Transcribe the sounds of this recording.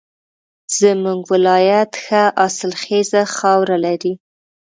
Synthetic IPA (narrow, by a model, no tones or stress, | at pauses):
z̥əmuŋɡwɪlɑjat̪xaʔɑsɪlxezaxɑwɾalaɾi